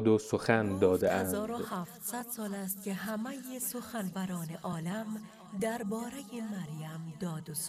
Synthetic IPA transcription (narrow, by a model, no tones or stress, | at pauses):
d̪osoxænd̪ɒːd̪eʔænzɒːɾo̥hæːft̪sæd̪̥sɒːlæst̪̚cʲʰe̞ɦæmejesoxænvæɾɒːneʔɒːlæm | d̪æɾbɒːɾejemæɾjæmd̪ɒːd̪os